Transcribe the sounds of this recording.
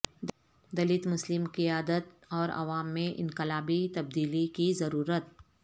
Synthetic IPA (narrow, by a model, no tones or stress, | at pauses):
d̪ɐlɪt̪mʊslɪmkiaːd̪ət̪ | ɔːɾɐ̰ʋaːmːẽʔɪ̰̃nqɪlaːbit̪ɐb̚d̪iːlikizɐɾuːɾət̪̚